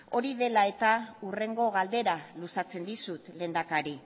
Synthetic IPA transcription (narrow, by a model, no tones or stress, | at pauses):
o̞ɾiðe̞lae̞t̪aure̞ŋɡo̞ɣald̪e̞ɾalusat͡se̞nd̪isut̪le̞nd̪akaɾi